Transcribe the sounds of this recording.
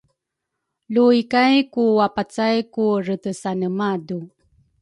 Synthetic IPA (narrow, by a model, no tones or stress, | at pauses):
luikajkuwapat͡sajkuɾətəsanəmadu